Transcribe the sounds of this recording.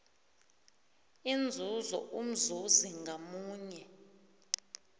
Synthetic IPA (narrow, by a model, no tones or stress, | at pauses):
ind͡zʱuzɔ̰ʔum̩zuziŋɡʱamuːɲɛ